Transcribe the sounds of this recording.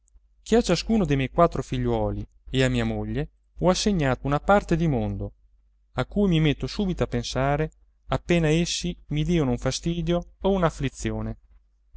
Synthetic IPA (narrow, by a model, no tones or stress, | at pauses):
k̟iat͡ʃːaskuːnod̪emɛjkwat̪ːɾofiʎːwɔːli | eamːiːamoʎːe | ɔasːeɲːaːt̪ounapart̪ed̪imond̪o | akːuːjmimet̪ːosuːbit̪oapːensaːɾe | apːeːnaesːimid̪iːonouɱfast̪iːd̪joounaflit̪sːjoːne